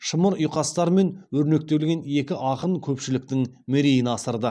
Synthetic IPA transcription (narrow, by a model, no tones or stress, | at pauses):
ʃəməɾʊjqɑst̪ɑɾme̞nwɵɾne̞k̚t̪e̞lɡʲe̞ne̞kʲɪʔɑqəɴkʲʰɵpʃɪlɪk̚t̪ɪŋmeɾejɪnɑsəɾd̪ə